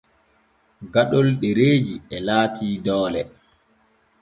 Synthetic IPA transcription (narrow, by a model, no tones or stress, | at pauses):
ɡaɗɔlɗɛɾeːd͡ʒiɛlaːtʰiːdɔːlɛ